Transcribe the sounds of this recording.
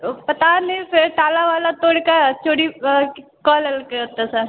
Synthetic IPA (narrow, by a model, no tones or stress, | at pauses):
pɐt̪anefɪɾʈaːlaʋaːlat̪oːɽkat͡ʃoːɽi | kɔːlɐlkeot̪asaɾ